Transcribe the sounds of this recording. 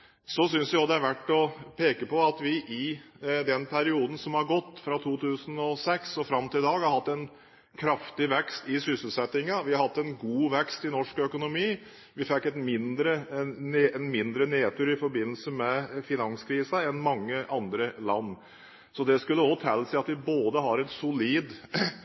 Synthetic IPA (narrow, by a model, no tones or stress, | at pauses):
sɔsʏnsæɪɔd̪ɛæɾʋæʈːɔpʰeːkəpɔɑt̪ʋɪʔɪ | d̪ɛnpʰæɾɪuːd̪n̩sɔmhɑɾɡɔt̪ːfɾɑt̪ʰuːt̪ʰʉːsənɔsɛksɔfɾɑmt̪ɪld̪ɑːɡhɑɾhɑt̪ːɛn | kʰɾɑft̪ɪʋɛkst̪ɪsʏsl̩sɛt̪ːɪŋɑʋɪhɑɾhɑt̪ːɛnɡuːʋɛkst̪ɪnɔʂkœkʊnʊmiː | ʋɪfɛkːɛt̪mɪnd̪ɾənːɛnmɪnd̪ɾəneːt̪ʉːɾɪfɔɾbɪnːəl̩səmɛfɪnɑnskʰɾiːsɑɛnmɑŋːəʔɑnd̪ɾəlɑ̰nː | sɔd̪ɛskʉlːəɔt̪ʰɛlːsɪɑt̪ʋɪboːd̪əɦɑɾɛnsʊliːd̪